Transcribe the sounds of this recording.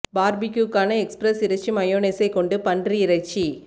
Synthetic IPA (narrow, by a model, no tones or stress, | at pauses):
baːɾbɪkjukːaːnɐɛkspɾɐsɪɾɐt͡ʃːimɐjoːneːsɐɪkɔɳɖɯpɐndriɪɾɐt͡ʃːi